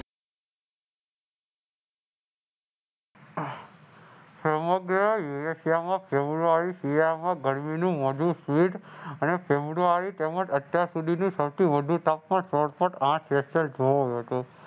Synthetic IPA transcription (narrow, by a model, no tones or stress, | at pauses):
səməɡɾəjuesijamãpʰebɾuaɾisijamãɡəɽminũməd͡ʒ̪ʱũsʋiʈənepʰebɾuaɾit̪eməd͡ʒət̪jaɾsud̪ʱinũsəwt̪ʰiʋəd̪ʱũt̪apmãnsɔɽpəʈãt͡ʃesəld͡ʒoɦojũɦət̪u